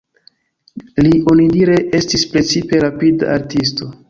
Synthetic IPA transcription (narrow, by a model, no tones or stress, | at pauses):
lio̞nidiɾeʔe̞stispɾe̞t͡sipe̞ɾapida̰ʔaɾtis̬to̞